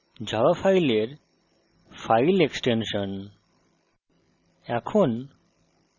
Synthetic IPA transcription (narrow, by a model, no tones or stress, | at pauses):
d͡ʑʱawafajleɾ | fajleksʈenʃon | ɛkʰon